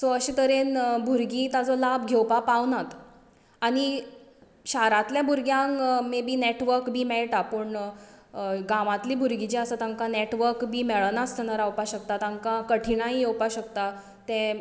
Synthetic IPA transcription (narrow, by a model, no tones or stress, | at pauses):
soəɕit̪əɾenbʱuɾɡit̪ad͡zɔlabɡʱewpapawnat̪ | aɽ̃i | ɕaɾat̪ljabʱuɾɡjãŋkmebʱiːneʈʋəɾkbʱiːmɛɭʈapəɳ | ɡaʋãt̪liːbʱuɾɡit͡ɕiəsət̪aŋkaneʈʋəɾkbʱiːmeɭənast̪ʰənaɾawpaɕək̚t̪at̪aŋkakəʈʰiɽ̃aɦijewpaɕəkt̪a | t̪ɛ̃